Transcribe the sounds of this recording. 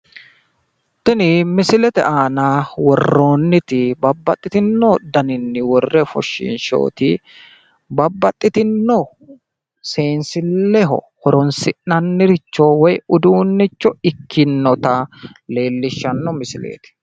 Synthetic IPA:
t̪ɪnɪmɪsɪlɛt̪ɛ̰ʔaːnawɔrːo̞ːnːɪt̪ɪbɐbːɐt̪ʼːɪt̪ɪnːɔd̪ɐnɪnːɪwɔrːɛfɔ̰ʃːɪ̰nʃo̰ːt̪ɪ | bɐbːɐt̪ʼːɪt̪ɪnːɔ | se̞ːnsɪlːɛɦɔ̰ | hɔɾɔnsɪnnɐnːɪɾɪt͡ʃːɔwɔjʊd̪uːnːɪt͡ʃːɔɪkʰːɪnːɔt̪ɐle̞ːlːɪʃːɐnːɔmɪsɪlḛːt̪ɪ̥

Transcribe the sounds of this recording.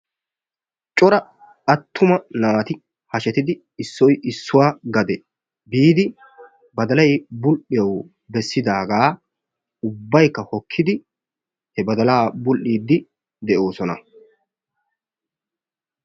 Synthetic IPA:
t͡ʃʼɔɾɐ | ɐt̪ʰːʊmɐnaːt̪ɪ | hɐʃɛt̪ɪd̪ɪ | ɪsːɔjʔɪsːʊwaːɡɐd̪ɛ | biːd̪ɪ | bɐd̪ɐlɐjbʊlʔɪjɐw | bɛsːɪd̪aːɡaː | ʊbːɐjkːɐhɔkʰːɪd̪ɪ | hɛbɐd̪ɐlaːbʊlʔiːd̪ːɪ | d̪ɛʔo̞ːsɔnɐ̰

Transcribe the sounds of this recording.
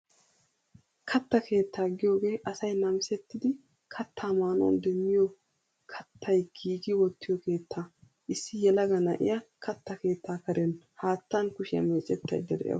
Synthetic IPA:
kʰɐt̪ːɐkʰe̞ːt̪ʰːaːɡɪjo̞ːɡe̞ːʔɐsɐjnɐmɪsɛt̪ːɪd̪ɪ | kʰɐt̪ʰːaːmaːnɔ̰nd̪ɛmːɪjɔ | kʰɐt̪ʰːɐjɡiːɡɪwɔt̪ːɪjɔke̞ːt̪ʰːaː | ʔɪsːɪjɛlɐɡɐnɐʔɪ̰jɐkʰɐt̪ːɐke̞ːt̪ːaːkɐɾɛn | haːt̪ːɐnkʊʃɪjɐ̰meːt͡ʃʼːɛt̪ːɐ̰jd̪ːɛd̪ɛ̰jɐ̰

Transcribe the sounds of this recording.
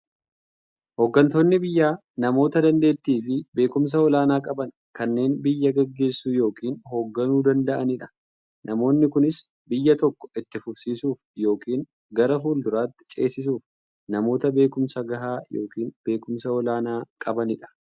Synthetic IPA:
hoɡːɐnt̪oːnːɪbɪjːaː | nɐmo̞ːt̪ɐd̪ɐnd̪e̞ːt̪ːiːfɪbe̞ːkʊms̬ɐɔlaːnaːkʼɐbɐn | kɐnːe̞ːnbɪjːɐɡɛɡːe̞ːsːuːjo̞ːkiːnɦoːɡːɐnuːd̪ɐnd̪ɐʔɐnɪᶑɐ̥ | nʔɐmo̞ːnːɪkʊnɪs | bɪjːɐt̪ɔkːɔ̥ʔɪt̪ːɪfʊɾsiːsuːfjo̞ːkiːn | ɡɐɾɐfuːld̪ʊɾaːt̪ːɪ̥t͡ʃʼe̞ːsɪs̬uːf | nɐmo̞ːt̪ɐbe̞ːkʊmsɐɡɐɦaːjo̞ːkiːnb̥e̞ːkʊmsɐɔlaːnaːkʼɐbɐnɪᶑɐ̥

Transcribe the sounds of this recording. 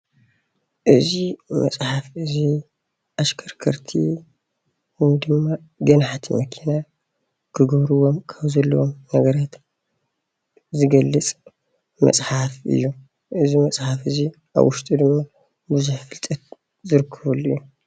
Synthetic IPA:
ʔɨzimɐ̰sʼħafɨzi | ʔaʃkʰɐɾkʰɐɾt̪ʰḭ | wnd̪ɨmːa | ɡɐnħat̪ʰmɐkʰina | kʰɨɡɐβɾuwomkʰɐβzɐlːɐwomnɐɡɐɾat̪ | zɨɡɐlːɨt͡sʼ | mɐ̰sʼħafʔɨ̰jːu | ʔɨzimɐsʼħafɨzi | ʔa̰βwʊʃt̪ʼud̪ɨmːa | bɨzuħfɨlt̪ʼɐt̪̚ | zɨɾɨkʰːɐβulːɨ̰jːu

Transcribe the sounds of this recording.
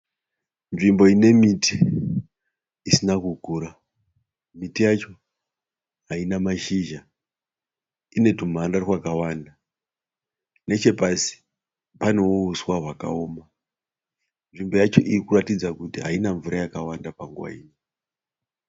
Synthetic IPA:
nʐimbo̞ine̞miti | isinakukuɾa | mitijat͡ʃo̞ | ɦainamaʃiʒa | ine̞tum̤anarwakawanda | ne̞t͡ʃe̞pasi̥ | pano̞uuswaɦwaka̰oːma | nʐimbo̞jat͡ʃo̞ʔiikuratid͡zakutiɦa̰inaɱvuɾajakawandapaŋɡuwa̰ḭːɲi

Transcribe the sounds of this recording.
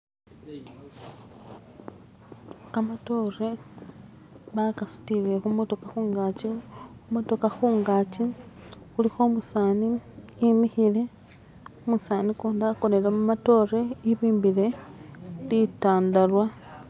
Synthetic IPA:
kamato̞re | βakasu̥tile̞xumoto̞kaxuːŋɡat͡ʃiumoto̞kaxuːŋɡaːt͡ʃixulixo̞musaːniimixile̞ | omusaːnikuːndakonelemumato̞ːreiβiːmbile̞ | litaːndalwa

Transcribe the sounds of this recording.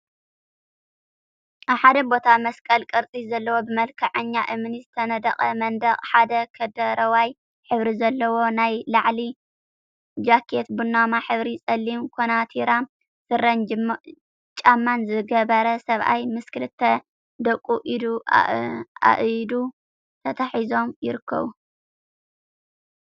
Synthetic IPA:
ʔaβħad̪ɐbo̞t̪ʰamɐskʼɐlkʼɐɾt͡sʼizɐlːɐwo̞bɨmɐlkʰɐʕɐɲːaʔɨmɨnizɨt̪ʰɐnɐd̪ɐχʼɐmɐnd̪ɐχʼħad̪ɐkʰɐd̪ɐɾɐwaj | ħɨβɾizɐlːɐwo̞najlaʕli | d͡ʒakʰet̪bunːamaħɨβɾisʼɐlːimkʰonat̪ʰiɾa | sɨrɐn | t͡ʃʼamːanzɨɡɐβɐɾɐsɐβʔa̰jmɨskɨlɨt̪ʰːɐ | d̪ɐkʼːuʔid̪u | a̰ʔd̪u | t̪ʰɐt̪ʰaħizo̞mjɪɾɨkʰːɐ̰βu

